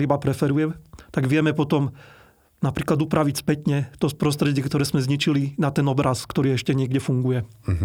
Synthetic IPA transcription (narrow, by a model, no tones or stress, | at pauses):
ibapɾɛfɛɾujɛmt̪aɡʋɪɛmɛpɔt̪ɔm | napɾiːklad̪upɾaʋicspɛt̪ɲɛt̪ɔspɾɔst̪ɾɛɟɪɛkt̪ɔɾɛːzmɛzɲit͡ʃilinat̪ɛnɔbɾaskt̪ɔɾiːɛʃcɛɲɪɛɡɟɛfuŋɡujɛ